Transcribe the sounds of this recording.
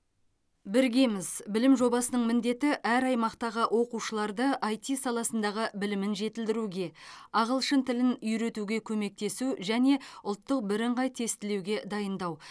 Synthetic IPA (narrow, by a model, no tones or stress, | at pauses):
bɪɾɡʲe̞mɪzbɪlɪmʒo̞bɑsənəɴmɪnd̪e̞t̪ɪʔæɾɑjmɑqt̪ɑʁəʔwʔo̞quʃəlˠɑɾd̪əʔɑjt̪ijsɑlˠɑsənd̪ɑʁəbɪlɪmɪnʒe̞t̪ɪld̪ɪɾuɡʲe̞ɑʁəlˠʃənt̪ʰɪlɪnʏjɾe̞t̪uɡʲe̞kʲʰɵme̞k̚t̪e̞suʒæne̞ʊlˠt̪ːəq̚bɪɾɪɴʁɑjt̪ʰe̞st̪ɪlewɡʲe̞d̪ɑjənd̪ɑw